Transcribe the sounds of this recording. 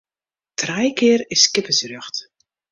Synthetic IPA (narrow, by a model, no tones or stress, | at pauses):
trɛjkɪːərɪsːkɪpəsrøxt